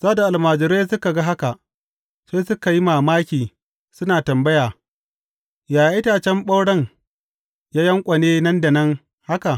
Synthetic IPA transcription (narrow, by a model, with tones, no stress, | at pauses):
z̥aː˦da˨ʔa˨lmaː˨d͡ʒɪ˨ɾeː˦s̬ʊ˦ka˨ɡa˦ɦa˦ka˨ʔ | se˦sʊ˦ka˨ji˦maː˨maː˦kʲiː˨ | sʊ˦naː˨tɐ˨mbɐ˦jaː˨ | jaː˨ja˨ʔɪ˦taː˨t͡ʃɛ˦mɓɐ˦wɽɐ˦ŋ | jaː˦jɐ˦ŋkʷʼɐ˨neː˦nɐ˦nda˨nɐ˦ŋ | ha˦ka˨